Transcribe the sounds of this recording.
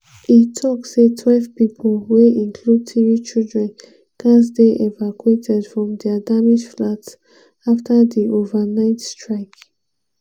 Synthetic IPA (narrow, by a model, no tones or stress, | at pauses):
itʰɔksetʰwɛlvpipʰolweĩŋkʰlud̚tʰivit͡ʃildɹɛ̃n | kʰãs̬deʔevakuetʰɛdfɹɔ̃mdɛadamid͡ʒflats | aftʰadiʔovanaɪtstɹaɪk